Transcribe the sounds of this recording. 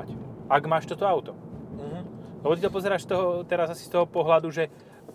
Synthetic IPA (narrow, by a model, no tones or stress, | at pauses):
acʔaɡmaːʃt̪ɔt̪ɔaʊt̪ɔɦ̩lɛbɔt̪it̪ɔpɔzɛɾaːʃst̪ɔɦɔt̪ɛɾazasi̥st̪ɔɦɔpɔɦlad̪uʒɛ